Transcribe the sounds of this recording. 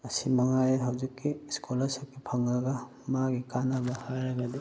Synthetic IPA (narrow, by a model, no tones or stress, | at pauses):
ɐsimɐŋajɐɦawzikːiskʰolɐsɐkːipʰɐŋɐɡɐ | maɡikanɐbɐhajɾɐɡɐd̪i